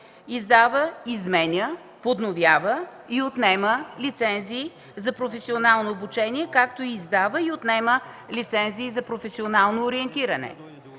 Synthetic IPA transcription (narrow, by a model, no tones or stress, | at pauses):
izd̪avəizmɛnʲə | pod̪novʲjavə | iot̪nɛməlit̪sɛnziː | zɐpɾofɛsionalˠnoobut͡ʃɛniɛkakt̪oiːzd̪avəiot̪nɛmə | lit̪sɛnziːzɐpɾofɛsionalˠnoːɾiɛnt̪iɾɐnɛ̰